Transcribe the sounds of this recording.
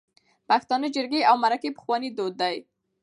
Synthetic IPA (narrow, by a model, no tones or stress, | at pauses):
paxt̪ɑnəd͡ʒɪɾɡeawmaɾakepə̥xwɑnid̪od̪ːaj